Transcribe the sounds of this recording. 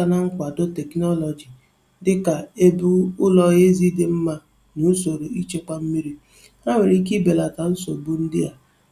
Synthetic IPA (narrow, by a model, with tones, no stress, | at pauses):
a˦na˦ŋ̩˦kʷa˨dʊ˦tɛ˨knɔ˦lɔ˨d͡ʒi˨ | dɪ˦ka˨e˦bu˦ʊ˦lɔ˨ɣe˦zi˦de˦m̩˦ma˦ | nu˨˦so˨ɾo˨i˦t͡ʃe˦k͡pa˦m̩˦mi˦ɾi˦ | a˦ŋʷe˨ɾi˦k̬i˦be˨la˨ka˨n̩˦so˨bu˦n̩˦dɪ˦a˨